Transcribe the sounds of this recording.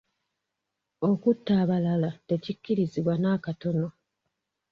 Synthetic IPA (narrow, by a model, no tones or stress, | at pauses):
okutːaːβalalate̞cicːiɾiziβwanaːkato̞no̞